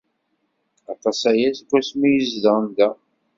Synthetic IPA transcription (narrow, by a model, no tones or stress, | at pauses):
ɑt̪ˤɑsæjæsɡʷːæsmijəzðənd̪æ